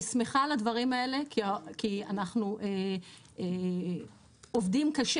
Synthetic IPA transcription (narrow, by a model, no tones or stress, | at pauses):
smeχalad̪vɐʁimae̞le̞kiakianaχnuʔe | e | ovd̪imkaʃ